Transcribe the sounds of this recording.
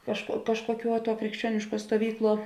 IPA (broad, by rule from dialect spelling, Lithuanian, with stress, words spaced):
kɐʃkuɔ ˈkɑːʃkuɔˌkʲuɔ tuɔ krʲɪkʃʲˈt͡ʃʲuɔnʲɪʃˌkuɔ stuɔˈʋʲiːkˌlˠuɔ